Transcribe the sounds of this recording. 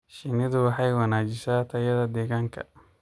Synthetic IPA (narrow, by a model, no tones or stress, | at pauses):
ʃɪnɪðʊwɑħɑjwɑnaːt͡ʃɪsaːt̪ʰɐjɐðɐd̪ɛːɣaːŋkʰɐ̰